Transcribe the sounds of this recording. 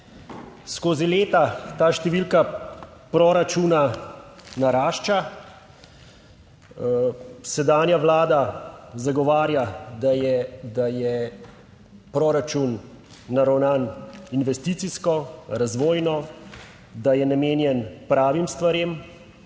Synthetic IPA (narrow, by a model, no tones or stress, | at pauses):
skoːzileːt̪at̪aːʃt̪ɛʋilkapɾɔɾat͡ʃuna | naɾaːʃt͡ʃa | sɛd̪aːnjaʋlaːd̪azaɡɔʋaːɾjad̪ajɛd̪ajɛ | pɾɔːɾat͡ʃunː | aɾawnaːninʋɛst̪iːt̪siskɔɾazʋoːjnɔ | d̪ajɛnameːnjɛnpɾaːʋimst̪ʋaɾeːm